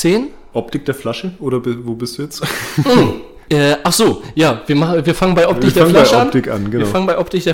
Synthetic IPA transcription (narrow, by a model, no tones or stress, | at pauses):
eːn | ʔɔp̚tɪk̚d̥eːɐflaʃəʔoːɾɐbɪvoːbɪsd̥uːjɛt͡sm̩ | ʔɛːʔaχz̥oːjaːviːɐmaχviːɐfaŋənbaɪʔɔptɪkdeːflaɪʃəɔapntɪkʔa̰nɡ̥ənɐfaŋənbaɪʔɔp̚tɪkd̥eː